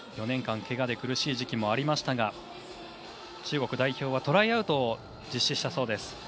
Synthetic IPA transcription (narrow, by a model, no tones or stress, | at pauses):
jo̞nẽ̞ŋkãŋke̞ɡad̪e̞kɯ̟ɾɯ̟ɕiːʑikʲimo̞aɾʲimaɕi̥t̪aɡa | t͡ɕɨːɡo̞kɯ̟d̪aiço̞ːβ̞at̪o̞ɾaiaɯ̟t̪o̞ | d͡ʑiɕːiɕi̥t̪aso̞ːd̪e̞sɨ̥